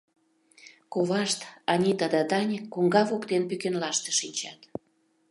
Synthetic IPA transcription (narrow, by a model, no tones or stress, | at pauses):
koβɑʃt̪ɑnʲit̪əd̪əd̪ɑnʲəkːoŋɡɑvokt̪enpykenlɑʃt̪ə̥̆ʃinʲt͡ɕɑt̪